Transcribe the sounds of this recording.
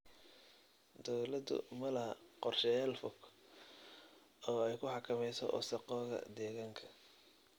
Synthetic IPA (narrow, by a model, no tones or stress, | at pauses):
d̪ɔwlɐd̪ʊ̰mɐlɐhɐqɔrʃɛjaːlfʊk | ɔːɛjkʰʊħɑkʰɐmɛjsɔ̰ʔɔ̰sɑqɔːðɐ̰d̪ɛːɣaːŋkʰɐ̥